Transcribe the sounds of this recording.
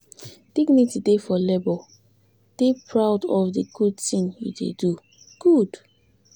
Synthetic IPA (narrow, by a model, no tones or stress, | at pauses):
d̥iɡnitidefɔlɛbɔ | d̥epʰɹaʊdɔfdəɡ̥ud̚tĩŋjṵdḛdu | ɡ̥ud̥